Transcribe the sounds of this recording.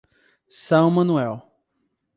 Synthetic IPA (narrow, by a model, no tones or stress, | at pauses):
sɐ̃w̃mɐ̃nuɛw